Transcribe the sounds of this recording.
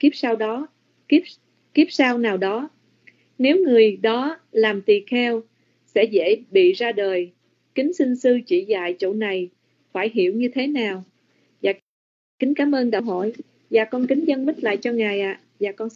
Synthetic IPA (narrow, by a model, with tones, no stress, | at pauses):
ki˦˥p̚saː˧wɗɔ˨˦˥ | ki˦˥p̚saː˧wnaː˨˩wɗɔ˨˦ | ne˨˦wŋɨ˨˩əjɗɔ˨˦laː˨˩mt̪i˨˩xɛ˧w | sɛ̰˧˥zḛ˧˥˨ɓḭ˧˨zaː˧ɗəː˨˩j | kï˨˦ŋ̟sï˧ŋsɨ˧t͡ɕi˧˩za̰ː˧˨jt͡ɕo̰˧˨na˨˩j | faː˧˩jɦi˧˩əwɲɨ˧t̪ʰe˨˦naː˨˩w | vaː˨˩ | kï˨˦ŋ̟kaː˨˦mʔəː˧nɗə˧ɦɔ̰˧˩˨j | vaː˨˩kɔ˧nki˨˦ŋ̟zə˧nmï˦˥t̚la̰ː˧˨jt͡ɕɔ˧ŋaː˨˩jʔa̰ː˧˨ | vaː˨˩kɔ˧n